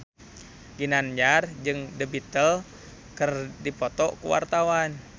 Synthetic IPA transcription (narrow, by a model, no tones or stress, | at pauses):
ɡinand͡ʒard͡ʒɨŋdəbit̪əl | kərdipɔt̪ɔʔkṵwa̰rt̪awan